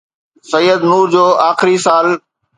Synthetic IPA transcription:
sɐjːəd̪nuːɾd͡ʑoːʔaːxɪɾisaːl

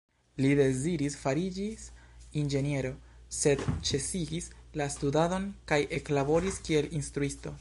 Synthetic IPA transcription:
lide̞ziɾisfaɾid͡ʒisind͡ʒe̞nie̞ɾo̞ | se̞dt͡ʃe̞siɡislastudado̞nkajʔe̞klabo̞ɾiskie̞linstɾuisto̞

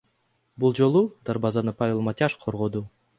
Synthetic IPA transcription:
bulˠd͡ʒolˠud̪aɾbɑzɑnɯpavʲelˠmatʲaʃqʰoɾʁod̪u

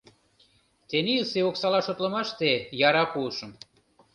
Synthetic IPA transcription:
t̪enilseoksɑlɑʃot̪lə̆mɑʃt̪ejɑɾɑkulʃəm

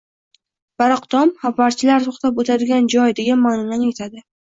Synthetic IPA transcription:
b̥aɾɑqd̪ɒmhavaɾt͡ʃʰɪlaɾt̪ʰoχt̪apot̪ʰad̪ɪɡʲand͡ʒɒjd̪eɡʲanmaːnɒnanet̪ʰad̪ɪ

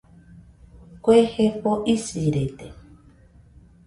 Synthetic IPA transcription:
kʷehepoʔisiɾet̪e

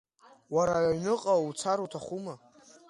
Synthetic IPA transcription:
waɾaʕɥnɨqʼaut͡sʰaɾotʰaχuma

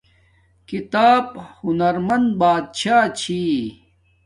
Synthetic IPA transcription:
kit̪aːbhunɐɾmɐnd̪baːd̪̚ɕʰaːt͡ɕʰiː

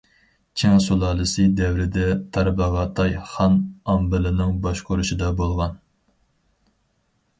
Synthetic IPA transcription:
t͡ʃʰeŋsolˠɑːlˠɨsɨd̪ɛwɾɪd̪ɛt̪ʰɑɾbəʁɑt̪ʰɑjχɑnɑmbɨlɪnɪŋbɑʃqʰoɾuʃid̪ɑbolˠʁɑn

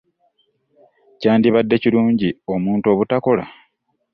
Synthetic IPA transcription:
caːndiβadːe̞ciɾuːɲɟio̞muːnto̞βutako̞la̰

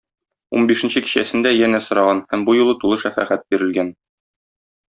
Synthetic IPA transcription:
ṵnbiʃɘ̆nɕɘki̥ɕæ̰sɘ̆nd̪æjænæsŏɾɑʁɑnhæmbujulˠɤt̪ulˠɤʃæfæ̰χæt̪̚biɾɘ̆lɡæn

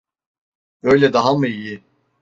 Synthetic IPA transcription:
ø̞jlʲɛd̪aɦamɯiji

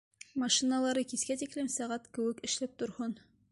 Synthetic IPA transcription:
mɑʃinɑlˠɑɾɤkiskæt̪iklɘmsæʁæt̪kɘ̆wɘ̆kɘ̆ʃlæp̚t̪ŏɾhon

